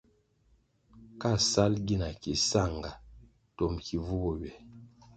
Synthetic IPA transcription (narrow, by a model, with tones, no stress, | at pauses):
ka˦˨sa˦lɡi˦na˨ki˨sa˦˨ŋɡa˨ | tɔ˨mkʰi˨vu˦bɔ˨ɥɛ˨